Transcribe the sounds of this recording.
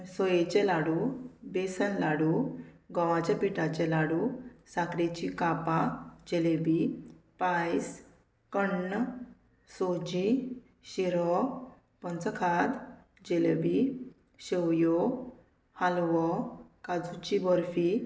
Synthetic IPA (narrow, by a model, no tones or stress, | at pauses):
sɔjet͡ɕɛlaɽubesənlaɽu | ɡɔʋat͡ɕapiʈat͡ɕɛlaɽusakɾet͡ɕikapad͡ʑelebipajs | kəɳː | sod͡ʑi | ɕiɾɔ | pənt͡səkʰad̪ | d͡ʑelebi | ɕewjo | halʋɔkad͡zut͡ɕibɔɾfi